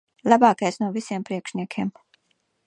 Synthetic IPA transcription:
lˠabaːkajsnuɔvisiɛmpɾiɛkʃnʲiɛkʰʲiɛm

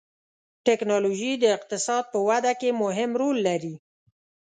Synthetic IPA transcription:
ʈɛknɑloʒid̪əɪq̚t̪ɪsɑd̪̚pəwad̪akemʊɦɪmɾolːaɾi

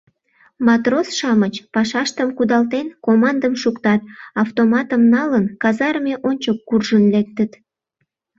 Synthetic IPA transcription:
mɑt̪rosʃɑmət͡ɕpɑʃɑʃt̪əmkud̪ɑlt̪enkomɑnd̪əmʃukt̪ɑt̪̚ɑft̪omɑt̪əmnɑlənkɑzɑɾmeʔonʲt͡ɕokːurʒənlek̚t̪ət̪

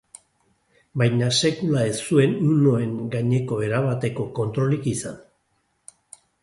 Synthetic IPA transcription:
bajɲase̞kulae̞sue̞nuno̞e̞ŋɡaɲe̞ko̞e̞ɾaβat̪e̞ko̞ko̞nt̪ɾo̞likisan

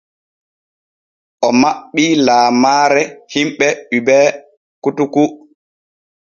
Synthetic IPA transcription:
ʔɔmaɓːilaːmaːɾɛhimɓɛɗubɛː | kutuku

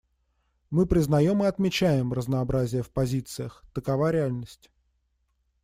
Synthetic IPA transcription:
mɨpɾʲɪznɐjo̞mɨɐt̪mʲɪt͡ɕæjɪmrəznəːbɾazʲɪjəfpɐzʲit̪sɨjəxt̪əkɐvaɾʲɪalʲnəsʲtʲ

